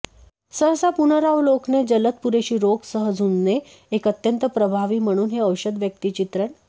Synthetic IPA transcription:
səɦsapunəɾawlokned͡ʑələt̪̚puɾeɕiːɾoɡsəɦəd͡zunːe | ekət̪jənt̪əpɾəbʱaʋiːm̤əɽ̃uːnɦeəwɕəd̪ʋjək̚t̪it͡ɕit̪ɾəɳ

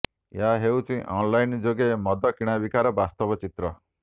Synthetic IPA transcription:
jaɦewt͡ʃʰĩʔɔnlajnd͡ʒoɡemɔd̪ɔkiɽ̃abikaɾɔbast̪ɔbɔt͡ʃit̪ɾɔ

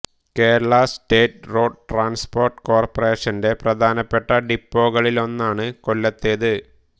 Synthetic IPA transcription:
ke̞ːɾɐɭɐste̞ːʈro̞ːɖʈraːnspo̞ːrʈːɨ̥ko̞ːrpɐre̞ːʂɐnde̞prɐd̪ʱaːnɐpːe̞ʈːɐɖipːo̞ːɣɐɭilo̞nːaːɳɨko̞lːɐt̪ːejɐðɨ

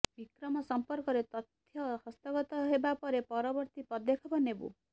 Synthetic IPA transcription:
bikɾɔmɔsɔmpɔɾkɔɾet̪ɔt̪ʰjɔɦʌst̪ɔɡɔt̪ɔɦebapɔɾepɔɾɔbɔɾt̪ipɔd̪ekʰɔbɔnebṵ

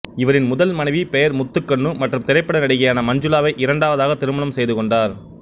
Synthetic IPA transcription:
ɪʋɐɾɪnmʊðɐlmɐnɐɪʋipɛjɐɾmʊt̪ːɯkːɐɳːɯmɐʈrɯmt̪ɪɾɐɪpːɐɽɐnɐɽɪɣɐjaːnɐmɐɲd͡ʒɯlaːʋɐɪʔɪɾɐɳɖaːʋɐðaːɣɐt̪ɪɾɯmɐlɐmsɛjðɯkɔɳɖaːɾ

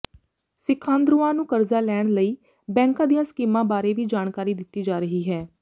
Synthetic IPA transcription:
sɪkʰːãːnd̪ɾuːãːnũːkəɾzaːlɛːɳ̃ləiː | bɛ̃ːŋkãːd̪ijãːskiːmãːbaːɾeːʋiːd͡ʒaːɳkaːɾiːd̪ɪt̪ːiːd͡ʒaːɾəɦiːɦɛː

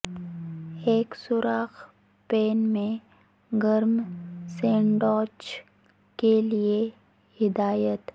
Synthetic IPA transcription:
eːksʊɾaːx | peːnmẽ | ɡəɾmsẽːɳɖɔːt͡ʃ | kelie | hɪd̪aːjət̪

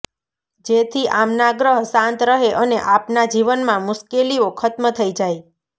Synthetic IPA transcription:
d͡ʒet̪ʰiʔamnaɡɾəɦsãnt̪ɾəɦeʔəneʔapnad͡ʒiʋənmãmʊʃkeliokʰət̪mət̪ʰəid͡ʒaj

